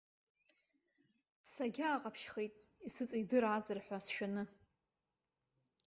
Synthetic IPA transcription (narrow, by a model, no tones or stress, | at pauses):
saɡʲaːqʼapʰʃχejtʼ | isɨt͡sʼijdɨɾazɨrħʷasʃᶣanɨ